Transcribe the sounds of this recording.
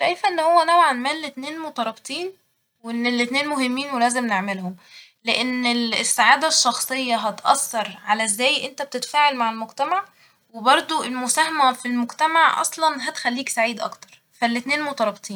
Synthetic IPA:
ʃæjfæʔenːhowːæʔnæbʕanmæːlːet̪neːnmot̪ˤɑɾˤɑbt̪ˤiːn | wenːelːet̪neːnmoɦemːiːnwelæːzemneʕmelhom | leʔenːelsːaʕaːd̪æʃːɑxsˤejːɑɦɑt̪ʔɑ̰sːɑɾˤʕalæzːæːjʔent̪æb̚t̪et̪æfaːʕelmaʕelmoɡt̪æmaʕ | webɑɾˤd̪ˤoelmosæːhæmæfilmoɡt̪æmaʕʔɑ̰sˤlɑnɦæt̪xælːiːksaʕiːd̪ʔɑ̰kt̪ɑ̥ɾˤ | fælːet̪neːnmot̪ɑɾˤɑbt̪ˤiːn

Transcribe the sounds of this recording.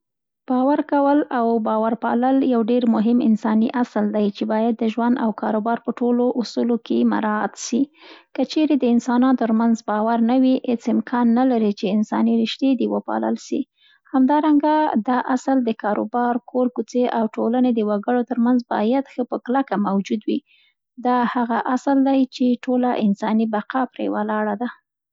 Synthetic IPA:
b̥ɑwaɾkawəlawbɑwaɾpɑ̰ləljawɖeɾmʊɦɪmɪ̰nsɑniʔasld̪ajt͡ʃebɑjad̪ːəʒwand̪awkɑɾobɑɾpəʈoloʔʊsulokema̰ɾɑat̪ʃikət͡ʃeɾed̪əɪnsɑnɑnt̪əɾmanzbɑwaɾnawihet͡sɪmkʰɑnːalaɾit͡ʃeɪnsɑ̰niɾɪʃt̪jed̪iwəpɑ̰lə̰lʃḭ | hamd̪ɑɾaŋɡad̪ɑʔasəld̪əkɑɾo̰bɑɾkʰoɾkut͡seʔawʈolaned̪əwaɡəɽot̪əɾmanzbɑ̰jad̪xəpəklakamawd͡ʒud̪wi | d̪ɑhaɣaʔasld̪ajt͡ʃeʈolaʔɪnsɑnibaqapɾḛwalɑɽad̪a

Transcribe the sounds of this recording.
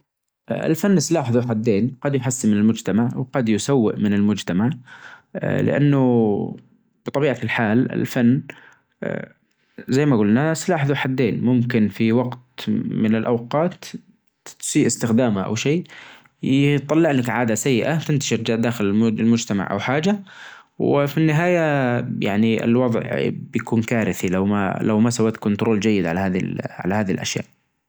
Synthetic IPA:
ɪ̰lfanːslaːħɪðuħad̪ːeːnqɑd̪jħasːimɪnɪlmʊd͡ʒt̪amaʕwqɑd̪jʊsawːɪ̰ʔmɪnɪlmʊd͡ʒt̪amaʕ | lɪ̰ʔa̰nːʊ | b̥ɨt̪ˤɑbiːʕalħaːlɪ̰lfanː | zajːmaɡʊlnaslaːħɪðuħad̪ːeːnmʊmkɪnfiwɑɡt̪mɪnɪlʔa̰wqɑːt̪ | siːʔɪst̪ɪxd̪aːmaʔa̰wʃeː | t̪ˤːɑlːɪʕlakʕaːd̪asajːɪʔat̪ɪnt̪aʃɪɾd͡ʒaːʔd̪aːxɪllmʊd͡ʒt̪ama̰ʕʔa̰wħaːd͡ʒa | wɪfinːɪɦaːjaja̰ʕniɪ̰lwɑðˤʕbjakuːnkaːɾɪθilawma̰lawmasawːaːt̪kʊnt̪ʊɾoːld͡ʒajːɪd̪ʕalahaːðḭlʕa̰lahaːðilʔa̰ʃja̰ːʔ

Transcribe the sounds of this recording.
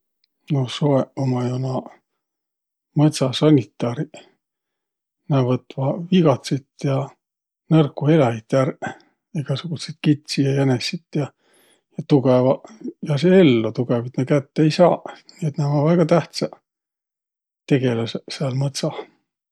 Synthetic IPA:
nosoeomɑjonɑ | mɤt̪sɑsɑnʲit̪ˑːɑːɾi | næːvɤt̪ːvɑviɡɑt̪sit̪jɑ | nɤrkːue̞lɑit̪ːær | eɡ̥ɑsuɡ̥uset̪̚kit̪ʲsijɑjænesit̪jɑ | jɑt̪uɡ̥evɑjɑseelːot̪uɡ̥evit̪nekæt̪ːejsɑːniet̪næːvɑvæɡ̥ɑt̪æht̪sɑ | t̪e̞ɡe̞lɑsseɑlmɤt̪sɑ

